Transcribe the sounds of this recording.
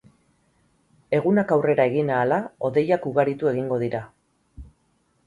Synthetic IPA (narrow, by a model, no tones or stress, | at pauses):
e̞ɣunakawre̞ɾae̞ɣinaːlao̞ðe̞jakuɣaɾit̪ue̞ɣiŋɡo̞ðiɾa